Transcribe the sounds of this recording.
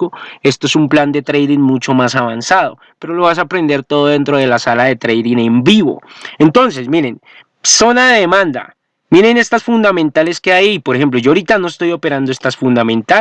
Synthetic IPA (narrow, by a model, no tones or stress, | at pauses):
oest̪oe̞sumpland̪e̞t̪ɾejðiŋmut͡ʃo̞masaβ̞ansaðo̞̰ | pe̞ɾo̞lo̞βas̬aːpɾe̞nd̪e̞ɾt̪o̞ðoðe̞nt̪ɾo̞ð̞e̞lasalaðe̞t̪ɾejðine̞mbiβo̞̰e̞nt̪o̞nse̞smiɾe̞n | so̞naðeðe̞mãnd̪a̰ | miɾe̞ne̞st̪asfund̪amẽnt̪ale̞skeajipoɾexe̞mp̬lo̞ʝoaːɾit̪ano̞est̪o̞jo̞pe̞ɾand̪oe̞st̪asfund̪amẽ̞nt̪a